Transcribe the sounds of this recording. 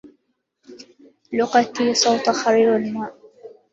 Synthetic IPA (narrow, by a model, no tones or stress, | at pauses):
lʊqɑt̪isˤɑwt̪ˤxaɾiːɾalmaːʔ